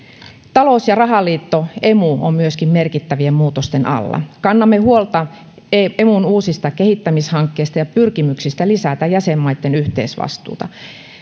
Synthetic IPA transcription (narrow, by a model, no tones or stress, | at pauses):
t̪ɑlosjɑrɑɦɑlːˑiːt̪ːoe̞muo̰mmyøskimme̞rkit̪ːæʋiemmuːt̪ost̪enɑ̰lːɑ̰kɑnːɑmːehuolt̪ɑ | emunuːsist̪ɑkehit̪ːæmishɑŋkːeːst̪ɑjɑpyrkimyksist̪ælisæt̪æjæsemːɑjt̪ːenyht̪ḛːsʋɑ̰st̪ṵːt̪ɑ